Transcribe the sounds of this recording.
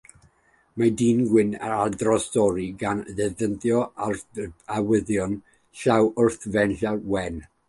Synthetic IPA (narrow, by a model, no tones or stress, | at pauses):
madiːnɡwɪnaadrɔstɔɾiɡanðɛðənθjɔarawɪðjɔn | ɬawʊrθvɛnɬawɛn